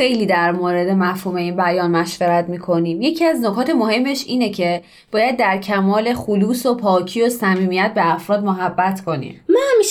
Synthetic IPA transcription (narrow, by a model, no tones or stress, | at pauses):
xe̞jliːd̪æɾmoːɾe̞d̪e̞mæfhuːme̞iːnbæjɒːnmæʃveɾæt̪miːkʰo̞niːmje̞cʰiæznokʰɒːt̪ʰe̞mohe̞mːe̞ʃiːnecʰe̞ | b̥ɒːjæd̪ːæɾcʰæmɒːle̞xuluːsopʰɒːcʰiːo̞sæmiːmijæt̪̚be̞æfɾɒːd̪̚moɦæbːæt̪ʰkʰo̞nḭːmmɒmiʃ